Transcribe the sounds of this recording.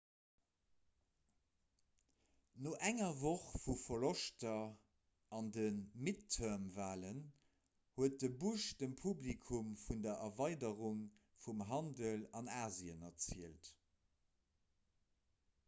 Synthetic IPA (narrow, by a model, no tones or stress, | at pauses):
noʔæŋɐvoχfufɐloʃtɐ | ɑndənmitʰːəɐmvaːlən | huət̚dəbuʃd̥əmpʰublikʰumfundɐʔɐvɑɪdəʁuŋ | fumɦɑndəlɑnaːziənɐt͡siəlt